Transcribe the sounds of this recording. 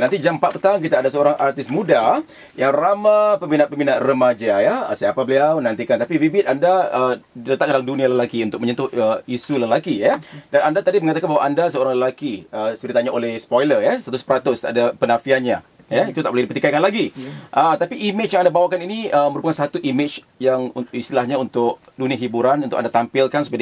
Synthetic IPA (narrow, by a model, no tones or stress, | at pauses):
nant̪id͡ʒampat̪pərt̪aŋk̬it̪aːdasəoɾaŋʔart̪ɪsmuda | jaŋramãpəmbinaʔ̪̚pəmbinaʔrəmad͡ʒajasapabəliawnant̪ikant̪apibibɪt̪andaədilət̪akandaləmdunialəlakiunt̪ʊkməɲənt̪ʊhəisuləlakijədanandat̪adiməŋat̪akanbaɦwaʔandasəoɾaŋləlakiəsəbəɾit̪aɲaʔolɛhspojlərjast̪at̪ʊspəɾat̪ʊst̪aʔdapənãfianɲa | jəit̪ut̪aʔbolɛhdipərt̪ikakanlaɡiʔət̪apiʔimɪt͡ʃjaŋandabawakaniniəməɾupakansat̪uʔimɪt͡ʃ | jaŋuist̪ilahɲãunt̪ʊk̚dunĩaɦibuɾanunʊkandat̪ampɪlkansu̥paj